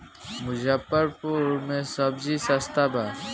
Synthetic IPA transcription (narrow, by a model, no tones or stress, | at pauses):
mʊd͡ʒapːəɾpuɾmẽsɐbd͡ʒisɐst̪aba